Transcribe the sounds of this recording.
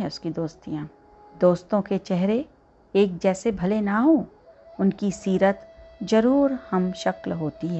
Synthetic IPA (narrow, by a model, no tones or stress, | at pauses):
ɛʊskid̪oːst̪ijãː | d̪oːst̪õket͡ʃɛɦɾe | eːk̚d͡ʒɛːsebʱɐlenaɦõː | ʊnkisiːɾət̪d͡ʒɐɾuːɾhɐmʃɐklɦoːt̪iɦɛ